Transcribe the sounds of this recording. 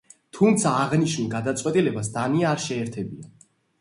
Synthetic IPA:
t̪ʰumt̪sʰaːʁniʃnuɡad̪at̪sʼwɛt̪ʼilɛbasd̪aniaːɾʃɛːɾt̪ʰɛbia

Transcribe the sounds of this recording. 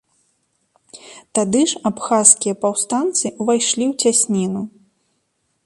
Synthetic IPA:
t̪ad̪ɨʂapxaskʲijɐpawst̪ant̪sɨʔuvajʂlʲiwt͡sʲasʲnʲinu

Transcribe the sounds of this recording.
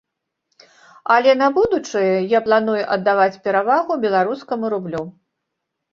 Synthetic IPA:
ɐlʲɛnɐbud̪ut͡ʂɨjɛjaplˠan̪ujuʔɐd̪ːavat͡sʲpʲɛɾavaɣubʲɛlˠaɾuskɐmuɾublʲu

